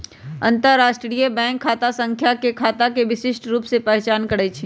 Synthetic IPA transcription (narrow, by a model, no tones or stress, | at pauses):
ɐ̰̃nt̪əɾɾːaːʃʈɾijəbɛ̃ːŋkʰːaːt̪asə̃ŋkʰjakekʰaːt̪akeʋɪʃɪʃʈɾuːpsepɛɦt͡ʃaːnkɐɽət͡ʃʰi